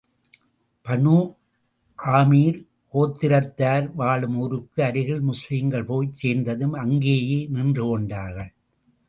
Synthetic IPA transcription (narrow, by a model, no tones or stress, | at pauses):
pɐɳuː | ʔaːmiːɾ | koːt̪ːɪɾɐt̪ːaːɾʋaːɭɯmoɾɯkːɯɐɾɯɣɪɭmʊsliːŋɡɐɭpoːjt͡ʃeːnd̪ɐðɯmɐŋɡeːjeːnɪndrɯkɔɳɖaːɾɣɐɭ